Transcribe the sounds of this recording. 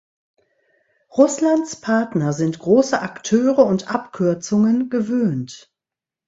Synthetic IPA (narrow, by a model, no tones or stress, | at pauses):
ʁʊslantt͡spʰaɐtnɐzɪntɡ̥ʁoːsəʔaktʰøːʁəʊntʔapkʰʏɐt͡sʊŋənɡəvøːnt